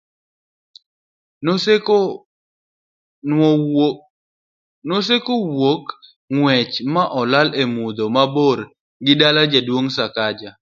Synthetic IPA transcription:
nos̬ekowok | ŋwɛt͡ʃmaʔɔlalemud̪omaboɾ | ɡɪdalad͡ʒadwoŋsakad͡ʒa

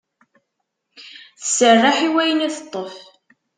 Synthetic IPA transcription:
θəsərːaħiwæjənæθət̪ˤːəf

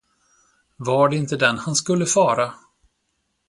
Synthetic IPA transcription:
vaɖɛɪnt̪əd̪ɛnhanskɵlːəfɑːɾa

